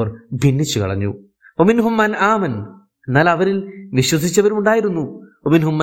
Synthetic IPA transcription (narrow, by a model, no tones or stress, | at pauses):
ɐrbʱinːit͡ɕːukɐ̰ɭɐ̰ɲːṵ | wɐminɦumːɐnaːmɐn | nːaːlɐʋɐɾilʋiɕwɐs̬it͡ɕːɐʋɐɾuuɳɖaːjiɾunːuwɐminɦumːɐ